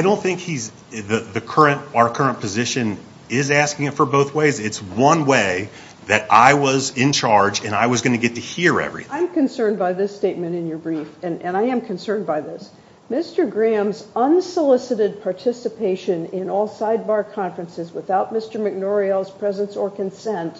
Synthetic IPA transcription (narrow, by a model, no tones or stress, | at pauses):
aɪɾõʊ̃nθɪ̃ŋkhiz | ðɨðɨkʰɜ˞ɨ̃ntəə˞kʰɜ˞ɨ̃npʰɨzɪʃɨ̃n | ɪzæskɪ̃ŋɨtfə˞boʊθweɪzɪtswʌ̃nweɪ | ðɨɾa̰ɪwʌzɪ̃nt͡ʃʰɑɹd͡ʒɨ̃naɪwʌzɡʌnɨɡɛtʰɨhiɹɛ̰vɹḭ̃ãɪ̃mkɨ̃nsɜ̃˞nbaɪðɪsteɪt̚mɨ̃ɾ̃ɨ̃njə˞bɹifɨ̃nʔɨ̃naɪɨ̃mkʰɨ̃n̩sɜ̃˞nbaɪðɪs | mɪstə˞ɡɹæ̃mzʌ̃nsəlɪsɨɾɨd̚pʰɑɹtʰɪsɨpʰeɪʃɨ̃nɪ̃nɔlˠsaɪd̚bɑɹkʰɑ̃ɱfɹɨ̃nsɨzwəθaʊt̚mɪstə˞mɨk̚nɔɹil̩ˠz̥pʰɹ̥ɛzə̃nsə˞kʰɨ̃nsɛ̃nt